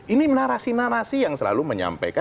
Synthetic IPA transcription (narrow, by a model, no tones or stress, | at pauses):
ʔinimnaɾasinaɾasijaŋsəla̰luməɲa̰mpa̰jka